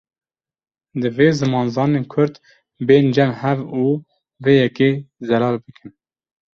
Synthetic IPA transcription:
d̪ɨveːzɨmɑːnzɑːneːnkʰʊɾd̪ | beːnd͡ʒɛmhɛvuː | veːjɛkeːzɛlɑːlbɨkʰɨn

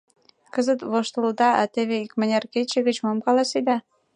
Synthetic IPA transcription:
kə̆zə̆t̪βoʃt̪əld̪ɑʔɑ̰t̪eβeikmə̆nʲerket͡ɕĕɣə̆t͡ɕmomkɑlɑsid̪ɑ

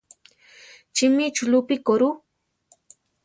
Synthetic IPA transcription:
t͡ʃɪmit͡ʃʊlʊpikoɾu

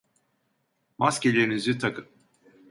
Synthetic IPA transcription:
mascʲelʲeɾinizit̪ʰakʰɯm

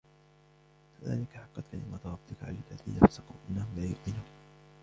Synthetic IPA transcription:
kaða̰ːlɪkaħɑqːɑt̪kalɪ̰mat̪ɾˤɑb̚t̪ɪkʕa̰lalːaðḭːnafasɑquːʔɪnːahʊmlaːjʊq̪ɪnuːn

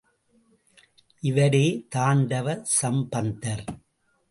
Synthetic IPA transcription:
ʔɪʋɐɽeːt̪aːɳɖɐʋɐɾsɐmbɐnd̪ɐɾ

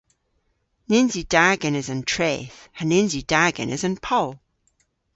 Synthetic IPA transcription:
nɪnzid̥aːɡə̃nɪzə̃ntʰɹ̥eːθhənɪ̃nzidaːɡə̰̃nɪ̰zə̃npʰɔlˠ

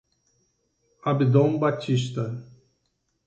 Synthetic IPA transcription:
abid̪õmbat͡ʃiʃt̪ɐ

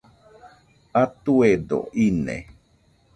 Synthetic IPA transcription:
at̪ued̪o̰ʔinḛ

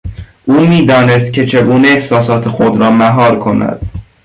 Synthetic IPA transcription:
ʔuːmiːd̪ɒːnest̪̚cʲʰet͡ʃʰe̞ɡuːneehsɒːsɒːt̪ʰexod̪ɾɒːmæɦɒːɾkʰo̞næ̰d̪̥

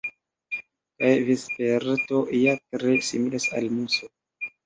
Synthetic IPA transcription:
kajvispeɾto̞jatɾesimilasa̰lmuso

